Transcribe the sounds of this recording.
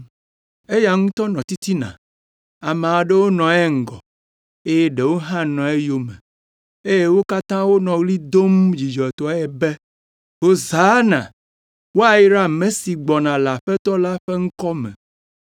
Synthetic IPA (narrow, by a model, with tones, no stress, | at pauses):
e˦ja˨ŋũ˦t̪ɔ˦nɔ̃˨t̪i˦t̪i˦nã̰˨ | a˨mɛ̃˨a˨ɖe˦wo˦nɔ̃˨ɛ˦ŋ̩˨ɡɔ̰˨ | e˦je˦ɖe˨wo˦ɦã˦nɔ̃˨e˦jo˦mḛ̃˨ | e˦je˦wo˦ka˦t̪ã˦wo˦nɔ̃˨ɣli˦d̪o˦md͡ʑi˨d͡ʒɔ˨ɛ˨t̪ɔ˦ɛ˨be˦ | wo˦za˨˦nã̰˨ | wo˦a˨ji˦ɾa˦mẽ˨si˨ɡ͡bɔ˨nã˨la˨ɸe˦t̪ɔ˦la˦ɸe˦ŋ̩˦kɔ˦mɛ̰̃˨